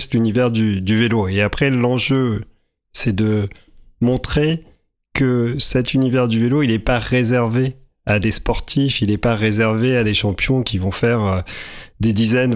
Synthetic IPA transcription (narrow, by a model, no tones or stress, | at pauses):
st̪ynivɛʁd̪yd̪yveloeapχɛlɑ̃ʒø | sɛd̪əmɔ̃t̪χe | kəsɛt̪ynivɛʁd̪yveloilɛpaʁezɛʁve | ad̪espɔʁt̪ʰifilɛpaʁezɛʁvead̪eʃɑ̃pjɔ̃kʲivɔ̃fɛʁød̪ed̪izɛn